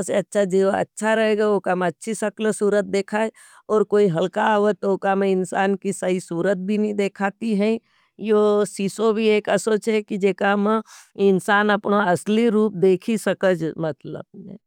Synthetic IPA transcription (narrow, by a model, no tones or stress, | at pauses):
seɐtːʃʰad͡ʒeɐ̰tːʃʰaɾɐɦeːɡaokamẽɐtːʃʰisəkləsuːɾət̪̚d̪eːkʰaːe | ɔːɾkoːiɦɐlkaɦoət̪ookamẽɪnsaːnkisəisuːɾət̪̚bʱinĩd̪eːkʰaːt̪iɦɛ̃ | josiːsobʱieːkəsoːt͡ʃekid͡ʒeːkamẽɪnsaːnɐpnaɐsliɾuːp̚d̪eːkʰisəkəd͡ʒmɐt̪lə̰be